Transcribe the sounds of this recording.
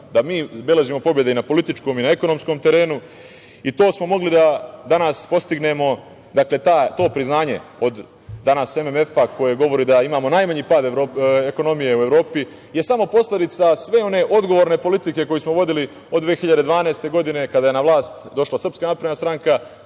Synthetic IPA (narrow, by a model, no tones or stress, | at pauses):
d̪amiːbeleʒimo̞po̞bjed̪einapo̞lit̪it͡ʃko̞minae̞ko̞no̞mskomt̪e̞ɾe̞ːnu | it̪o̞ːsmo̞mo̞ɡlid̪ad̪anaspo̞st̪iɡne̞mo̞ | d̪akle̞t̪aːt̪o̞ːpɾiznaːɲe̞̰o̞d̪ | d̪anase̞meme̞fako̞je̞ɡo̞ʋo̞ɾiːd̪aimaːmo̞najmaɲipaːd̪eɾoːeko̞no̞mije̞ue̞ʋɾo̞ːpi | je̞samo̞po̞sle̞d̪it̪sasʋeo̞ne̞ːʔo̞d̪ɡo̞ʋoːɾne̞po̞lit̪ike̞ko̞jismoʋo̞d̪ili | od̪ʋeːxiʎad̪e̞d̪ʋaːneest̪e̞ɡo̞d̪ine̞kad̪aːje̞naʋlˠaːst̪d̪o̞ʃlˠasɾr̩pskaːnapɾed̪nast̪ɾaŋka